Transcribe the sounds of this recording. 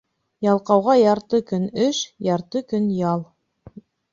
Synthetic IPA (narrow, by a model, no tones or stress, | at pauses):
jɑlˠqɑwʁɑjɑɾt̪ɤkɵnɵʃjɑɾt̪ɤkɵnjɑlˠ